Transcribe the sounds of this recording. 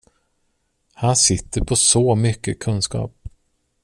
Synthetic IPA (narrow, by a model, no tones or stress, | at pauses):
hansɪt̪ːəɾpʰɔsɔːmʏkːəkʰɵnskɑ̰ːp̚